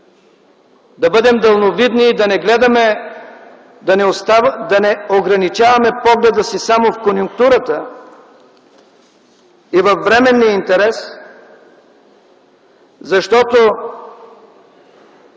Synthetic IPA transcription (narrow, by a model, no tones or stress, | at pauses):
d̪ɐbɤd̪ɛmd̪ɐlˠnovid̪niːd̪ɐnɛɡlɛd̪ɐmɛ | d̪ɐnɛost̪ad̪ɐnɛoɡɾɐnit͡ʃavɐmɛpɔɡlɛd̪əsisamofkonjʊŋk̚t̪uɾət̪ə | ivɐfːɾɛmɛnːiəint̪ɛɾɛs | zɐʃt̪ɔt̪o